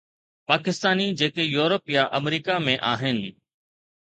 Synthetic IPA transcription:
paːkɪst̪aːnid͡ʑeːkejuːɾopijaʔəmɾiːkamẽʔaːɦɪnɪ̆

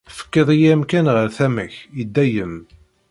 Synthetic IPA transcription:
fə̥kːəðˤijæmkænʁəɾθæməçid̪ːæjəm

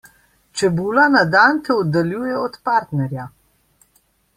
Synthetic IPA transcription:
t͡ʃɛbuːlanad̪ant̪ɛɔd̪aljuːjɛɔt̪paɾt̪nɛɾja

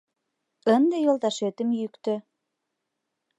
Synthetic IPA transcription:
ə̆nd̪ejolˠt̪ɑʃet̪ə̆mjykt̪ø̆

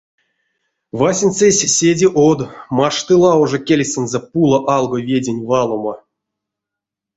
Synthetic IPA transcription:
vasʲinʲt͡sesʲsʲedʲiʔod̪maʂt̪ɨlˠɑoʐokʲelʲsʲɨnzɛpulˠoʔɑlˠɡovʲedʲenʲvɑlˠomo

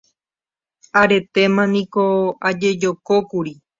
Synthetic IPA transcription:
aɾe̞t̪e̞mãnĩko̞ad͡ʒe̞d͡ʒokokuɾi

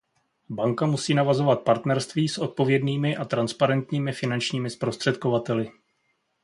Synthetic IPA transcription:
baŋkamusiːnavazo̞vat̪̚paɾt̪nɛɾst̪viːsʔo̞t̪̚po̞vjɛdniːmɪʔat̪ɾanspaɾɛnt̪ɲiːmɪfɪnant͡ʃɲiːmɪspɾo̞st̪r̥ɛt̪ko̞vat̪ɛlɪ

